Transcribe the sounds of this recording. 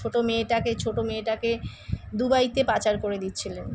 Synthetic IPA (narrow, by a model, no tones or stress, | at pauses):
oʈomeːʈaket͡ɕʰoʈomeʈake | d̪ubajt̪epat͡ɕaɾkoɾed̪it̪ːɕʰilen